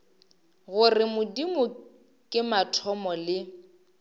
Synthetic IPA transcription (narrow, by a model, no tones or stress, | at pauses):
ɣʊrɪmʊdimʊ | kʼɪmatʰɔmɔlɪ